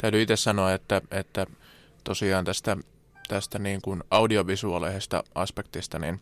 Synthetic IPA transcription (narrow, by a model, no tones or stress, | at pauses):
t̪æyt̪yit̪essɑnoɑet̪ːæet̪ːæ | t̪osiɑːnt̪æst̪æ | t̪æst̪æniːŋkunɑudioʋisuɑleːsest̪ɑ̰ɑspekt̪ist̪ɑnḭn